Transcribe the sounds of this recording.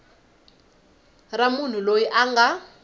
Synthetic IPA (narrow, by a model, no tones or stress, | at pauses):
ramun̤ulojiʔaŋɡa